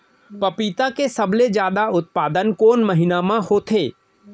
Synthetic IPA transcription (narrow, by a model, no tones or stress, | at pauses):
pɐpiːt̪akesəbled͡ʒjaːd̪aʊt̪̚paːd̪ənkoːnməɦɪnamãhoːt̪ʰeː